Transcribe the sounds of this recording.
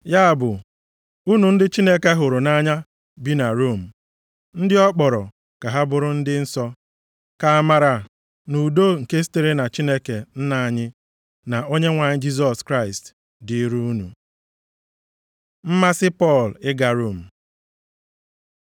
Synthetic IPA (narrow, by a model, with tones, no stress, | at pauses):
ja˦a˨bʊ˨ | u˦nu˨n̩˦dɪ˦t͡ʃi˦ne˦ke˦ɦʊ˨ɾʊ˨na˦ɲa˦ | bi˦na˨ɾo˦˨m̩˨ | n̩˦dɪ˦ɔ˦k͡pɔ˨ɾɔ˨ | ka˨ɦa˦bʊ˨ɾʊ˦n̩˦dɪ˦n̩˦sɔ˦ | ka˨a˨ma˨ɾa˨ | nu˨do˦ŋ̩˨ke˦si̥˦te˦ɾe˦na˨t͡ʃi˦ne˦ke˨n̩˦na˨ɲɪ˦ | na˨ʔo˦ɲe˦ŋʷa˨ɲɪ˦d͡ʒi˦s̬ɔ˨skɾa˦˨ɪ˨st | di˨˦ɾu˦u˦nṵ˨ | m̩˦ma˦sɪ˦pɔ˦˨lɪ˦ɡa˨ɾo˦˨m̩˨